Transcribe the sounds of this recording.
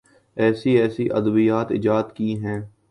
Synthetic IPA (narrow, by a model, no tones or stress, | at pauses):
ɛːsiɛːsiʔɐ̰d̪əbijaːt̪ɪ̰d͡ʒaːd̪kiːɦɛ̃ː